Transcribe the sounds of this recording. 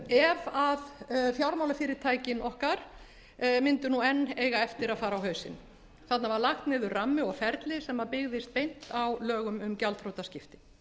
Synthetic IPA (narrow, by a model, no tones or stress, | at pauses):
ɛvaðfjawɾmawlafɪːɾɪɾ̥t̪ʰaːjcɪnɔhkaɾ̥ | mɪnt̪ʏnuɛnːeːjɣaɛft̪ɪɾaðfaːɾawɦœːɥsɪ̰n | θat̪navaɾlaxt̪nɪːðʏɾrramːʏɔɣfɛɾt̪lɪsɛmːapɪɣðɪst̪̚pejn̥t̪awlœːɣʏmʏmcalt̪fɾowt̪ascɪft̪ɪ̥